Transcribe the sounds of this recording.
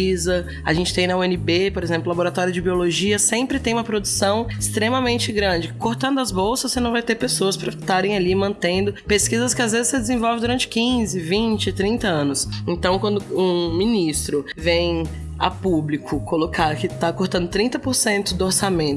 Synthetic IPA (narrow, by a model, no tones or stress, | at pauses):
izɐ | a̰ʒẽnt͡ʃɪt̪ẽj̃nɐoẽnɪbepoɾezẽmplʊlaboɾat̪ɔɾjʊd͡ʒɪbioloʒiɐsẽmpɾɪt̪ẽj̃ũmɐpɾod̪usɐ̃w̃ɪst̪ɾemɐmẽnt͡ʃɪɡɾɐ̃d͡ʒɪkoɾt̪ɐ̃nd̪ʊɐzbowsɐssenɐ̃w̃vajt̪eɾpesoɐspɾɐt̪aɾẽj̃alimɐ̃nt̪ẽnd̪ʊpeskizɐskɪazvezɪsed̪ezẽvɔwvɪd̪uɾɐ̃nt͡ʃɪ̥kĩzɪvĩt͡ʃɪt̪ɾĩt̪ɐɐ̃nʊsẽnt̪ɐ̃w̃kwɐ̃nd̪ʊũmĩnist̪ɾʊ | vẽj̃ | a̰publikʊkolokaɾkɪt̪akoɾt̪ɐ̃nd̪ʊt̪ɾĩnt̪ɐpoɾsẽnt̪ʊd̪ʊoɾsamẽ